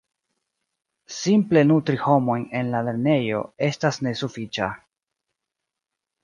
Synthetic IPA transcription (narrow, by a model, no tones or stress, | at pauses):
simple̞nutɾiho̞mo̞jne̞nlale̞ɾne̞jo̞̰e̞stasne̞sufit͡ʃa̰